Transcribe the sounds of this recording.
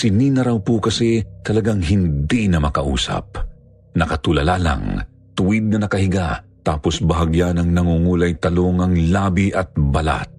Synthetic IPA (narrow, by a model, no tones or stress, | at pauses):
sɪniːnɐɾawpukɐsit̪ɐlɐɡaŋɦɪnd̪inɐmɐkɐʔṵːsɐ̰p̚ | nɐkɐt̪ulɐlaːla̰ŋ | t̪ʊwid̪̚nɐnɐkɐhɪɡat̪aːposbɐɦɐɡjanɐŋnɐŋuːŋuːlɐjt̪ɐloŋɐŋlaːbiʔɐt̪̚bɐla̰t̪̚